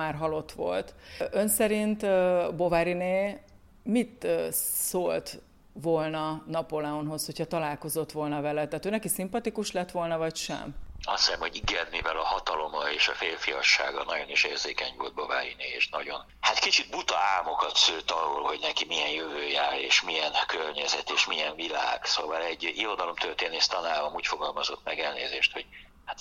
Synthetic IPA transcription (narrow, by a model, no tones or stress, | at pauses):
aːrɦɒlo̞t̪ʋo̞̰lt̪ø̞nsɛɾint̪ːbo̞vaɾineː | mit̪ːsoːlt̪ | ʋo̞lnɒnɒpolɛonɦo̞shochɒt̪ɒlaːlko̞zo̞t̪ʋo̞lnɒvɛlɛt̪ːaːt̪øːnɛkisimpɒt̪ikuʃlɛt̪ʋo̞lnɒvɒcʃɛ̰mɒ̰st̪ssɛmho̞ɟiɡɛt̪mivɛlɒhɒt̪ɒlo̞mɒeːʃɒfeːlfijɒʃːa̰ːɡɒnɒɟo̞niʃeːrzeːkɛɲvold̪̚bova̰ːjinieːʃnɒɟo̞n | hat̪kit͡ʃid̪̚but̪ɒaːmo̞kɒt̪søːt̪ɒrolho̞ɟnɛkimiɛnjøvøːjaːɾeːʃmijɛnkørɲɛzɛt̪eːʃmiɛɱvila̰ːɡ̥soːvɒlɛɟːiɾo̞d̪ɒlo̞mt̪ørt̪eːneːʃt̪ɒnaːbɒmuːcfo̞ɡɒlmɒzo̞t̪mɛɡɛlnḛːzeːʃt̪ho̞ɟ̥ | hat̪